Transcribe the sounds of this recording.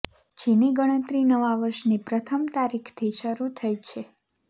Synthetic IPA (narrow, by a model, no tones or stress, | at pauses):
d͡ʒeneɡəɽ̃ə̃t̪ɾinəʋaʋəɾʃnipɾət̪ʰəmt̪aɾikʰt̪ʰiʃəɾut̪ʰəjt͡ʃʰe